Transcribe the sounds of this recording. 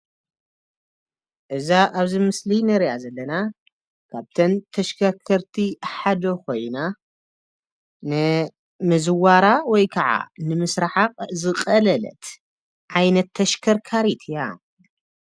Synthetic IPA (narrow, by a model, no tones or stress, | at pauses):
ʔɨzaʔaβzimɨslinɨɾiʔazɐlːɐna | kʰaβt̪ʰɐnt̪ʰɐʃkʰɐɾkʰɐɾt̪ʰiħad̪okʰo̞jna | nɨ | mɨzɨwaɾawɔjkʰɐʕa̰nɨmɨsɾaħaqʼzɨqʼɐlɐlɐ̰t̪ | ʔajnɐt̪ʰːɐʃkʰɐɾkʰaɾit̪ʰɨja